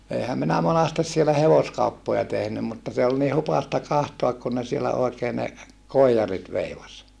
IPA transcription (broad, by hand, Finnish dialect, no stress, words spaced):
eihæm minæ monɑstes sielæ heʋoskɑupːojɑ tehnym mutːɑ se ol ni hupɑstɑ kɑhtoɑk kun ne sielæ oekeː ne koijɑrit ʋeiʋɑs